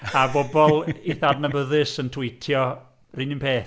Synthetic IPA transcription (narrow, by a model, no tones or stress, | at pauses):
abɔbɔlˠiθadnəbəðɨsəntʰwɪjtʰjɔ | rinɪnpʰeːθ